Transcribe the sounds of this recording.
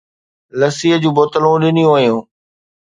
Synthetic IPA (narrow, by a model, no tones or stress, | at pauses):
lɐsiɦəd͡ʑũːboːt̪əlũɗɪnijũɦɐijũː